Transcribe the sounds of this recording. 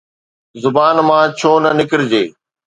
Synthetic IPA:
zʊbaːnmãːt͡ɕʰoːnɐnɪkɪɾɪd͡ʑeː

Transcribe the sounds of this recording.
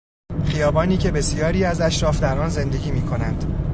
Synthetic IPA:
χijɒːbɒːniːcʰe̞be̞sijɒːɾiːæzæʃɾɒːfd̪æɾɒːnze̞nd̪e̞ɡʲiːmiːkʰo̞nænd̪̥

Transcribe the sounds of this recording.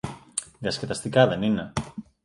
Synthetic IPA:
ɡasket̪ast̪ikaðenina

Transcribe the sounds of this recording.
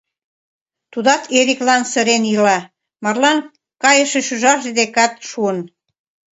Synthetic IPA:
t̪ud̪ɑt̪ʰeɾiklɑnsə̆ɾenilɑ | mɑrlɑn | kɑjəʃeʃyʒɑʃed̪ekɑt̪ʃuən

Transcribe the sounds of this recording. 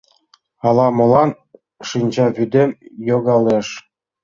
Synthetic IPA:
ɑlˠɑmɤ̆lˠɑn | ʂɯnʲd͡ʑɑβʲyd̪ʲemʲjoɡɑleʂ

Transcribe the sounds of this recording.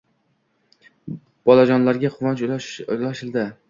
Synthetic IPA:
b̥ɒlad͡ʒɒnlaɾɡʲaqʰʊvat͡ʃlaʃɪld̪ɪ

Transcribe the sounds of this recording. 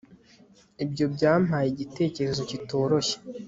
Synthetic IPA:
ibjo̞bɟaːm̥ajiɟite̞ːce̞ɾe̞zo̞cito̞ːɾo̞çe̥

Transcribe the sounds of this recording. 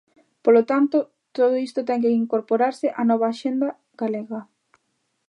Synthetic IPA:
polot̪ant̪ʊ | t̪oð̞oist̪ot̪ɛŋk̬eiŋkoɾpoɾaɾsɪʔanɔβ̞aːʃend̪ɐ | ɡaleɣɐ

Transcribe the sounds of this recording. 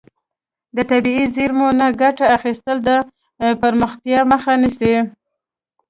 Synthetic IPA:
d̪ət̪abiiziɾmonaɡaʈaaxist̪əld̪ə | pəɾməxt̪jɑməxanisi

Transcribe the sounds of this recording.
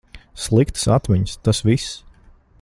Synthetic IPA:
slˠikt̪sat̪miɲst̪asvis

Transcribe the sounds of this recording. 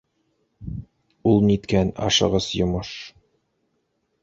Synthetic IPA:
ulˠnit̪kænɑ̰ʃɤ̰̆ʁɤsjŏmoʃ

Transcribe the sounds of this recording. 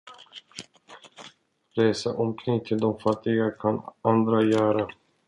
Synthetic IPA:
ɾeːsaʔɔmkʰɾɪŋt̪ʰɪld̪ɔmfat̪ːɪɡakʰanand̪ɾajœːɾa

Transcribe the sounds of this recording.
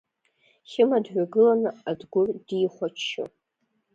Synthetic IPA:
χʲɪmadʕʷᶣaɡɨlanɨadɡʷʊrdiχʷat͡ʃːɪ̰

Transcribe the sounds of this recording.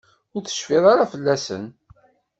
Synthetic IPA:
ʊɾθə̥ʃfiðˤɑɾafəlːæsə̰n

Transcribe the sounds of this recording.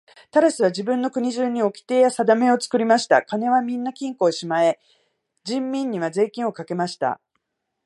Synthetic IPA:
t̪aɾasɨβad͡ʑibɯ̟̃nːo̞kɯ̟ɲ̟iʑɨːɲ̟ːio̞kʲi̥t̪e̞ːjasad̪ame̞o̞t͡sɨ̥kɯ̟ɾʲimaɕi̥t̪a̰kane̞β̞amʲĩnːakʲĩŋko̞ːɕimae̞ | d͡ʑĩmːʲĩɲ̟ːiβ̞aze̞ːkʲĩɰ̃o̞kake̞maɕi̥t̪a̰

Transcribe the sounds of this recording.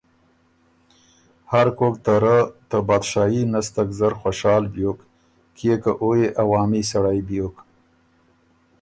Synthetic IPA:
haɾkok̚t̪aɾət̪əbɑd̪ʃɑːjinast̪akzəɾxwaʃɑːlbjok | kʰekəʔojeʔawɑːmisaɽajbjok

